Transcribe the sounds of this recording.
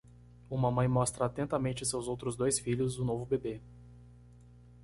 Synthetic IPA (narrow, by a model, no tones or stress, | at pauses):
ũmɐmɐ̃j̃mɔst̪ɾɐat̪ẽnt̪ɐmẽnt͡ʃɪsewzowt̪ɾʊzd̪ojsfiʎʊzʊnovʊbebe